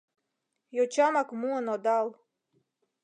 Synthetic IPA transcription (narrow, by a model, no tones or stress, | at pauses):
jot͡ɕɑmɑkmuənod̪ɑlˠ